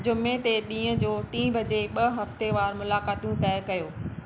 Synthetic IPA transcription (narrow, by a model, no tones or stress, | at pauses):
d͡ʑʊmet̪eɗĩːə̃d͡ʑoːʈĩːbʱɐd͡ʑeɓɐɦɐft̪eʋaːɾmʊlaːkaːt̪ijũt̪ɛːɪkɐjoː